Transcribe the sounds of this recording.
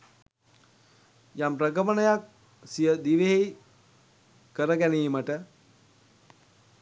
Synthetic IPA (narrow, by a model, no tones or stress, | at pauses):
jampɾəɡəmənəjak̚ | sijəd̪iʋeɦe | kəɾəɡæniːməʈə